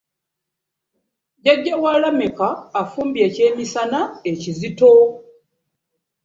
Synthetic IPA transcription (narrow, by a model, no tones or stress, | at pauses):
ɟaɟːawalamekaːfuːmbje̞ːce̞ːmisanaecizito̞